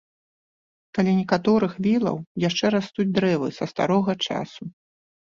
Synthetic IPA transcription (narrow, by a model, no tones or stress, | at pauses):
kalʲinʲɛkat̪ɔɾɨxvʲilˠɐ̰wjaʂt͡ʂɛɾast̪ud͡zʲd̪ɾɛvɨ̰sɐst̪a̰ɾɔɣɐt͡ʂa̰su